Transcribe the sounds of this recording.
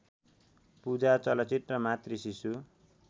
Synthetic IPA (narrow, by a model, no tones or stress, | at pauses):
pud͡zat͡sʌlʌt͡sit̪rʌmat̪risisu